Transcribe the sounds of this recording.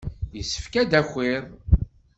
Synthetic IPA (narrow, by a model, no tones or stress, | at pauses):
jəsːə̥fkæd̪æxːɪɾ